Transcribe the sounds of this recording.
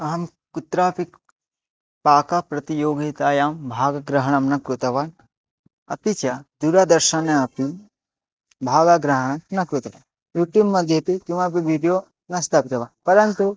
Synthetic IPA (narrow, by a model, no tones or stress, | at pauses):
ɐɦɐm | kut̪ɾaːpik | paːkapɾɐt̪ijoːɡit̪aːjaːmbʱaːɡɐɡɾɐɦɐɳɐmnɐkɾut̪ɐʋaːn | ɐ̰pit͡ʃɐd̪uɾad̪ɐɾʃɐneɐpim | bʱaːɡaɡɾɐɦɐɳɐmnɐkɾut̪ɐʋaːn | juːʈjuːbmɐd̪ʱjɐpikimaːp̬iʋʱiːɖijoː | nɐst̪ʰaːpit̪ɐʋaːnpɐɾɐnt̪u